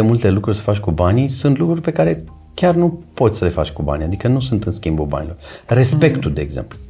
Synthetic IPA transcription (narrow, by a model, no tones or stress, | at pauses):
emult̪e̞lukɾurʲsə̥fat͡ʃʲkubanisunt̪lukɾurʲpe̞kaɾe̞ | kʲarnupo̞t̪sʲsəle̞fa̰t͡ʃʲkuba̰nijad̪ikənusunt̪ɨnskʲimbulba̰nilo̞rre̞spe̞kt̪ud̪e̞ːɡzḛmplu